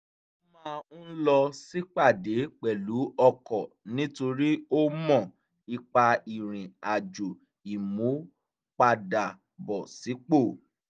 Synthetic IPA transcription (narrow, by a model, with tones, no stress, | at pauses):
o˦mãː˦˧ũ˦lɔ˧si˦k͡pa˦˨de˨˦k͡pɛ˨lu˨˦ɔ˧kɔ˨ | nĩ˦to˧ɾi˦o˦mɔ̃˦˨ | i˧k͡pa˧i˨ɾ̃ĩ˨a˨d͡ʒo˨ | i˨mũ˨˦ | k͡pa˧da˨ | bɔ˨si˨˦k͡po˦˨